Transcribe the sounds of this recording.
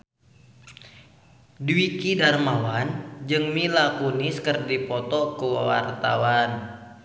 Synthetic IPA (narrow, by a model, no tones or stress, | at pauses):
dwikidarmawand͡ʒɨŋmilakuniskərdipɔt̪ɔkəwawa̰rt̪a̰wan